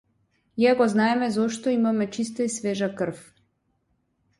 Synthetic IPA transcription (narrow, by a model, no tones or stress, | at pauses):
iakɔznaɛmɛzɔʃt̪ɔimamɛt͡ʃist̪ɔisvɛʒakər̩f